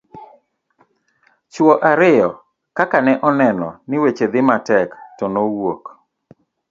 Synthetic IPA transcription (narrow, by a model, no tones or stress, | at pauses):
t͡ʃwɔʔaɾɪjɔ | kakanɛʔɔnɛnɔ̰nɪwet͡ʃed̪ɪmatɛktɔnowok